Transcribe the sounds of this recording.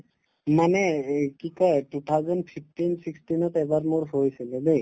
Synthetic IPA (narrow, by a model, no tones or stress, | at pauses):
manekikɔeʈut̪ʰawzɔnɖpʰip̚ʰʈinsiksʈinɔt̪ɛbaɾmuɾsɦojsʰilebej